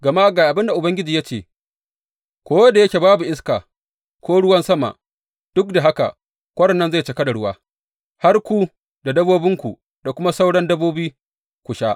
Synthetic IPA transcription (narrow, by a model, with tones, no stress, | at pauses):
ɡɐ˨ma˦ɡaː˨ʔa˨bɪ˦nda˨ʔʊ˨bɐ˦ŋɡʲɪ˦d͡ʒiː˨ja˦t͡ʃeː˨ | kʷoː˦wɐ˦da˨jɐ˦kʲe˨baː˦bu˨ʔɪ˦skaː˨ | kʷoː˦ɽʊ˦wɐ˦nsɐ˦ma̰˨ʔ | d̥ʊ˦k̚da˨ɦa˦ka̰˨ | kʷɐ˦ɽɐ˨nːɐ˦nza˦˨jt͡ʃɐ˨kɐ˦da˨ɽʊ˦waː˦ | ha˦rkʷu˦ | da˨dɐ˦boː˦bɪ˦ŋkʷu˨ | da˨kʷʊ˦ma˦sa˦wɽɐ˦ndɐ˦boː˦biː˦ | kʷʊ˨ʃaː˦ʔ